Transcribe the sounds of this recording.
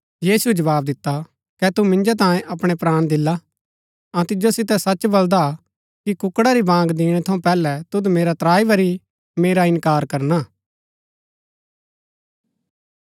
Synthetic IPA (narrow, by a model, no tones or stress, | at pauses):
jiːsued͡ʒɐʋaːbd̪ɪt̪ːa | kɛt̪umɪ̃nd͡ʒat̪̬ãːjẽʔɐpɽ̃epɾaːɽ̃d̪ɪlːa | ãt̪ɪd͡ʒosɪt̪̬ɛsɐt͡ʃbɐld̪a | kikʊkːɽaɾibãːŋɡd̪ɪːɽ̃ɛt̪ʰɐũpɛːlɛt̪ʊd̪meːɾat̪ɾaːiʋɐɾi | meːɾaɪ̃nkaːɾkɐɾnaː